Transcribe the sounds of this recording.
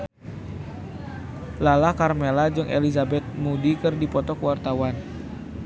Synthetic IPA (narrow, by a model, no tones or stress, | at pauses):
lalahkarmelad͡ʒɨŋʔḛlizabɛt̪̚mudikɨrdipɔt̪ɔkəwart̪awan